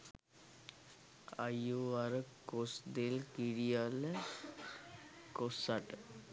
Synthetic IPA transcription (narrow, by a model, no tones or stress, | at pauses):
ajoaɾəkosd̪elkiɽijalə | kosaʈ